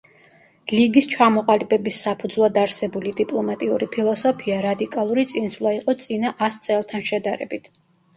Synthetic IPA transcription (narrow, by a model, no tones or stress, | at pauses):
liɡist͡ʃʰamɔqʼalibɛbisːapʰud̪zlˠad̪aɾsɛbulid̪ipʼlˠɔmat̪ʼiuɾipʰilˠɔsɔpʰiaɾad̪ikʼalˠuɾit̪sʼinslˠaiqʼɔt̪sʼinaʔast̪sʼɛlˠt̪ʰanʃɛd̪aɾɛ̰bit̪ʰ